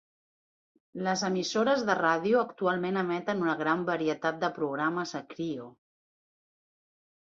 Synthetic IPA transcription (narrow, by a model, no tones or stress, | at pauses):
ləzəmisoɾəzðəraðiuəkt̪ualˠmenəmɛt̪ənunəɣ̞ɾambəɾiət̪at̪̚d̪əpɾuɣɾaməzəkɾio